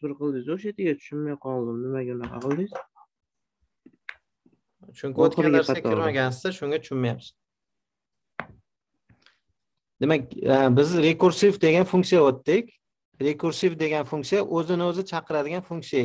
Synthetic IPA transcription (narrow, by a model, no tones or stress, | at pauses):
asbɪɾqɨlˠd̪ɪzoʃet̪ɪɡʲat̪ʰʊ̥ʃʊnmajqʰɒlˠd̪ɪmnɪmaɡʲanaqʰɑ̰qɨlˠd̪ɪz̥ | t͡ʃʰʊŋkʲʰɪot̪̚ɾaaɾsaakʰɪɾmaɡʲan̬ɪzd̪aʃʊŋɡʲat̪ʰʊ̥ʃʊnmajap̪ɪ̥z̥ | d̪e̞makʲbɪzɾe̞kʊɾsivd̪e̞ɡʲanfʊŋʲksijaot̪ːɪkʲ | ɾe̞kʰʊɾsivd̪e̞ɡʲanfʊŋksijaʔɵzɪnɪɵzɪt͡ʃʰɑqʰɨɾad̪ɪɡʲanfʊŋʲksija